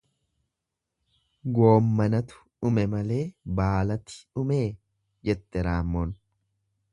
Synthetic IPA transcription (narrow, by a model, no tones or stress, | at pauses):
ɡo̞ːmːɐnɐt̪ʊ̥ | ʊmɛmɐle̞ːbaːlɐt̪ɪ̥ʊme̞ː | d͡ʒɛt̪ʼːɛɾaːmːɔn